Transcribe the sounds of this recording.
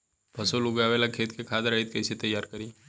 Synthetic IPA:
bʱɐsolʊɡaʋeːlakʰeːt̪kekʰaːd̪ɾait̪̚kɐɪset̪ɐjːaːɾkɐɾiː

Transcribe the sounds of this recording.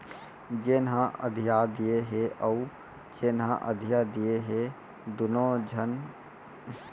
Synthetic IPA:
d͡ʒeːnɦãʔə̰d̪ʱijad̪ijeɦeʔəu | d͡ʒeːnɦã̰ʔəd̪ʱijad̪ijeɦe | d̪ʊnõd͡ʒʱən

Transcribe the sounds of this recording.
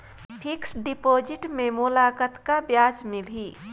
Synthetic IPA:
pʰɪksɖipoːd͡ʒɪʈmẽmulaːkət̪kabjaːd͡ʒmɪlɦiː

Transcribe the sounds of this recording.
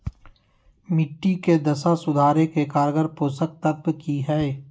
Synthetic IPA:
mɪʈːiked̪ɐsasʊd̪ʱaːɾekekaːɾɡəɾpoːsək̚t̪əbkiɦɛe

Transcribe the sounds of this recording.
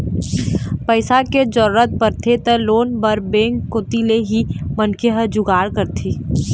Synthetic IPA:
pəɪsaked͡ʒɔɾɾət̪̚pəɾt̪ʰet̪əloːnbəɾbẽːŋkːot̪ileɦimənkʰeɦəd͡ʒʊɡaːɾkəɾt̪ʰiː

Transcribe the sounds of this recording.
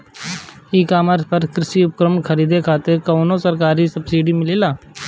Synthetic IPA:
iːkaːməɾspəɾkɾɪsiʊpkɾəməɳkʰəɾiːd̪ekʰaːt̪ekɐːnosəɾkaːɾisɐbsiːɖimɪleːlaː

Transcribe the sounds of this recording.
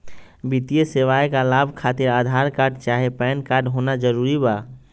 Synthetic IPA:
bit̪ijeseʋaekalabʱkʰat̪iɾaːd̪ʱaɾkaɾɖt͡ʃaɦepɛːnkaɾɖɦonad͡ʒəɾuɾiba

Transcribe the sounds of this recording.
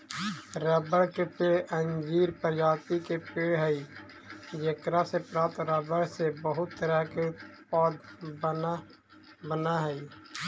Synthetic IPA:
ɾəbəɽkepeʔənd͡ʒiːɾpəɾd͡ʒaːt̪ikepeːɦəi | d͡ʒekɾasepɾaːt̪ɾəbəɽsebəɦʊt̪ːəɾəkeʊt̪paːd̪b | bənaɦɛi

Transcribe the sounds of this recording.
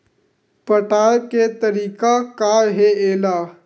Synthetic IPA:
pəʈaːjket̪əɾiːkakaːɦeeːlaː

